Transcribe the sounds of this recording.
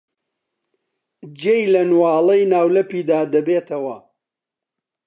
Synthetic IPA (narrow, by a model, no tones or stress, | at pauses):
d͡ʒejlɐnwɑːlˠɐjnaːwlɐpiːd̪aːd̪ɐbeːt̪ʰɐwɐ